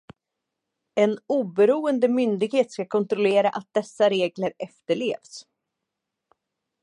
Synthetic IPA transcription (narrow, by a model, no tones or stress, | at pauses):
ɛnuːbɛɾuːənd̪əmʏnd̪ɪɡheːt̪skakʰɔnt̪ɾɔleːɾaʔat̪̚d̪ɛsːaɾeːɡləɾɛft̪əɭḛːvs